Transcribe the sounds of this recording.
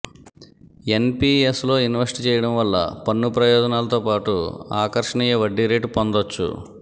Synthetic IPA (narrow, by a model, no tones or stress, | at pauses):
e̞npiːeslo̞ːinʋɐsʈit͡ʃɛːjɐɽɐmʋɐlːɐ̰pɐnːupɾɐjɔːd͡ʒɐnaːlɐt̪o̞ːpaːʈuaːkɐɾʂɐɳiːjɐʋɐɖːiɾeːʈpond̪ot͡ʃːṵ